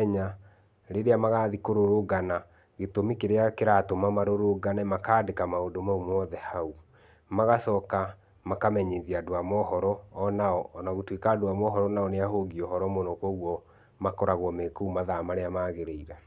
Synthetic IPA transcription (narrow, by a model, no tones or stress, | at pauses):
ɲa | ɾeɾeamaɣaːðikoɾoɾoɡana | ɣetomikeɾeakeɾatomamaɾoɾoɡanɛmakaːdekamaodomaumɔðɛhau | maɣasɔka | makamɛɲeðiadwamɔhɔɾɔːnaɔːnaɣotwekaːdwamɔɦɔɾɔnaɔneaɦoɡiɔhɔɾɔmonɔkoɣwɔ | makɔɾaɣwɔmekoumaðamaɾeamaːɣeɾeiɾa